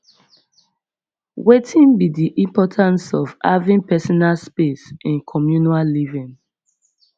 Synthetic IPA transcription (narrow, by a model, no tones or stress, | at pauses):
wetʰĩnbidiʔĩmpɔtʰãnsɔva̰vĩnpɛsɔnalspesĩnkʰɔmjunallivĩn